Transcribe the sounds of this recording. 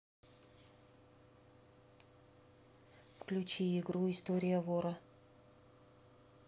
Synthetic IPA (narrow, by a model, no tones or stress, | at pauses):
fklʲʉt͡ɕiɪɡɾuɪst̪oɾʲɪjəvoɾə